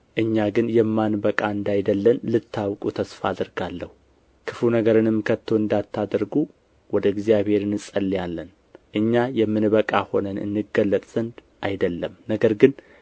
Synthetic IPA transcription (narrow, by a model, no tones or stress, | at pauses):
ʔɨɲːaɡɨnjɛmːanbəkʼaɨnd̪ajd̪əlːənlɨt̪ːawkʼut̪ʰəsfaːd̪əɾɡalːəhu | kʰɨflunəɡəɾɨnɨmːɨkʰət̪ʰːowɨnd̪at̪ʰːad̪ɾɡu | wɔd̪əɪɡzijaβhe̞ɾɨnɨsʼəlːijalːən | ʔɨɲːajɛmːɨnβəkʼaho̞nənɨ̰nːɨɡəlːət̪ʼz̥ənd̪ | ʔajd̪əlːəmnəɡəɾɡɨn